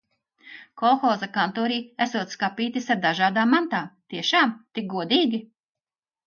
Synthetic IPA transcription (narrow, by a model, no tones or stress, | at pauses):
kɔlˠxɔːzakant̪ɔːɾiːæsuɔːt̪skapiːt̪isaɾd̪aʒaːd̪aːmːant̪aːt̪iɛʃaːmt̪ik̚ɡuɔd̪iːɡʲi